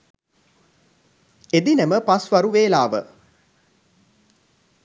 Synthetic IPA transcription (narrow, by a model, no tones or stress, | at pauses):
ed̪inɛməpasʋaɾuʋeːlaːʋə̰